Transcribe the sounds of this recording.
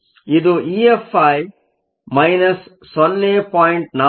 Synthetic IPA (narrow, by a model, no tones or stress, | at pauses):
id̪uʔiːefɐj | mɐjnɐsː | ɔnːeːpɔːjɳʈ̚na